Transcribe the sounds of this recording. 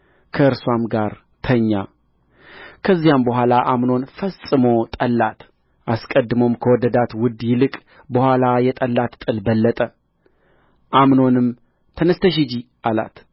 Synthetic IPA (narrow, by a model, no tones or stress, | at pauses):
kʰəɨɾswamɡaɾ | t̪ʰəɲːa | kʰəzːijambəɦʷalaʔamno̞nfəsʼɨmo̞t̪ʼəlːat̪ | ʔaskʼəd̪ːɨmo̞mkʰəwɔd̪əd̪at̪wʊd̪ːjɪlɨkʼ | bəhʷalajɛt̪ʼəlːat̪t̪ʼɨlbəlːət̪ʼə | ʔamno̞nɨm | t̪ʰənəst̪ʰəʃ̬id͡ʒiʔala̰t̪